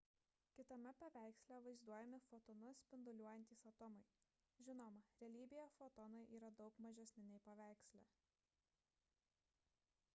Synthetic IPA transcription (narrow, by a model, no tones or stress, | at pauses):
kʲɪt̪ɐmʲɛpɐʋʲæˑɪksʲlʲɛʋɐɪzd̪uɔjɛmʲɪfot̪ɔnʊsʲpʲɪnd̪ʊlʲuɔjɛnʲt̪ʲiːsɐt̪ɔmɐɪ | ʒʲɪnoːmɐɾʲɛlʲiːbʲɪjofot̪ɔnʊɪʔiːɾɐd̪ɒʊkmɐʒʲɛsʲnʲɪnʲɛɪpɐʋʲæˑɪksʲlʲæ̰